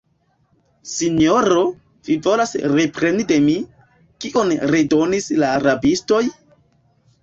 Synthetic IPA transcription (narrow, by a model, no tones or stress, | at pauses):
siɲo̞ɾo̞ | v̥ivo̞lasɾepɾenide̞mi | kiʔonɾedo̞nislaːɾabisto̞j